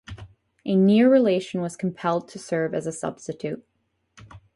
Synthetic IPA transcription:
ʔɨnɪɹɹileɪʃn̩wʌz̥kʰm̩pʰɛlˠd̚tʰɨsɜ˞vɨzɨsʌ̰b̥stɨtʰʉt̚

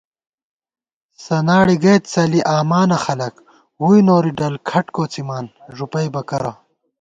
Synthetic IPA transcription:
sɐnaːɽiɡɐt̪t͡sɐliʔaːmaːnɐxɐlɐk | hujnoːɾiɖɐlkʰɐʈkoːt͡simaːnʐupɐjbɐkɐɾɐ

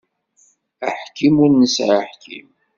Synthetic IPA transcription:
əħkːimʊɾnəsʕaħkḭm

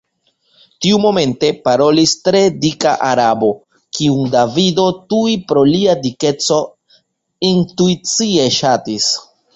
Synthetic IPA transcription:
tiumo̞me̞nte̞paɾo̞listɾe̞dika̰ʔaɾabo̞ | kiuŋdavido̞tuipɾo̞liadike̞t͡so̞ | intuit͡sie̞ʃatis

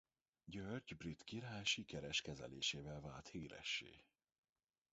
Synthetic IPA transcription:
ɟørɟbrit̪kiɾaːjʃikɛɾɛʃkɛzɛ̰lḛːʃeːvɛlvaːlt̪hiːɾɛ̰ʃːḛː

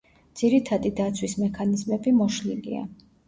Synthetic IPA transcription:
d̪z̥iɾit̪ʰad̪id̪at̪sʰwismɛkʰanizmɛbimɔʃliɡḭa̰

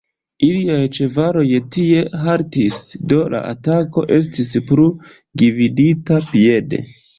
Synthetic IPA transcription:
iliajt͡ʃe̞vaɾo̞jtie̞ɦaɾtisdo̞la̰ʔa̰tako̞̰ʔe̞s̬tispɾu | ɡividitapie̞dḛ

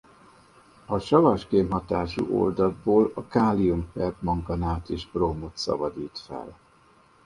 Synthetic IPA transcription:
ɒʃɒvɒʃkeːmɦɒt̪aːʃṵʔo̰ld̪ɒd̪̚boːlɒkaːlijumfɛrd̪mɒŋkɒnaːt̪eːʒbroːmo̞t̪sɒ̰bɒd̪iːt̪fɛ̰l

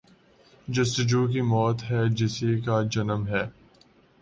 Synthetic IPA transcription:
d͡ʒɐst̪ɪd͡ʒuːk̬imɔːt̪ɦɛd͡ʒɪsikad͡ʒɐnəmɦɛː

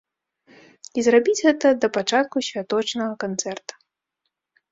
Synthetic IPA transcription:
izrabʲid͡zʲɣɛt̪ɐd̪ɐpat͡ʂat̪̚kusʲvʲat̪ɔt͡ʂnɐɣɐkant̪sɛrt̪ɐ̥

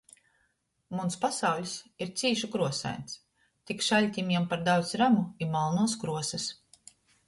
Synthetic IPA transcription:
munspasawlʲsiɾt̪siːʃukɾuɔsa̰jns | t̪ikʃalʲt̪ʲimɛmpaɾd̪awt̪sɾamuimalˠnuːskɾuɔsɛs

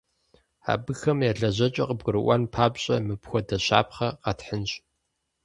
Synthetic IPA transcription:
a̰ːbɨxɐmjaɮɐʑɐt͡ʃʼɐqəb̚ɡɨɾɨʔʷɑnpʰaːbɕʼɐmɨpxʷɔdɐɕa̰ːpχɐqɑtħənɕʼ

